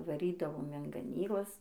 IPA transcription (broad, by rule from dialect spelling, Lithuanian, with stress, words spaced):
ʋɐˈrʲiːdɐʋoːm ɪn ɡɐˈnʲiːklˠɐs